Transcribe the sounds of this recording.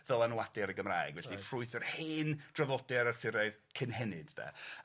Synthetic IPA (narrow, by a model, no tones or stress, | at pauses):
vɛlˠanwadɛɾəɡəmra̰jɡvɛɬifrʊɨθərheːnd̥rɔvɔdɛɾərθɪɾɛɨðkʰɪnɦɛnɪd̥d̥a̰